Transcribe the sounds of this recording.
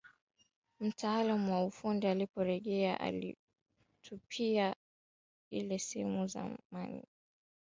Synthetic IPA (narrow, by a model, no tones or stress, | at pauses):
m̩taalamuwaufundialipɔɾɛʄɛaʔa̰lḭ | tʰupʰia | ḭlɛshɛmuza̰manḭ